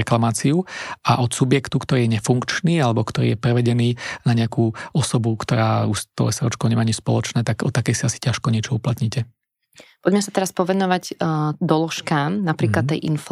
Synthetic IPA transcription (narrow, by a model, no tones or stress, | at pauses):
ɛklamaːt͡siuʔaʔɔt̪subɪjɛkt̪ukt̪ɔɾiːjɛɲɛfuŋkt͡ʃniːalɛbɔkt̪ɔɾḭːjɛpɾɛʋɛɟɛniːnaɲɪakuːɔsɔbukt̪ɔɾaːuʃt̪ɔ̰ʋɛsaɾɔt͡ʃkɔʊɲɛmaːaɲispɔ̰lɔt͡ʃnɛːt̪aɡɔt̪ːakɛjsiasi̥caʃkɔɲɪɛt͡ʃɔuplat̪ɲicɛ | pɔɟmɛsat̪ɛɾaspɔʋɛnɔʋaɟd̪ɔlɔʃkaːmnapɾiklat̪ːɛjʔinf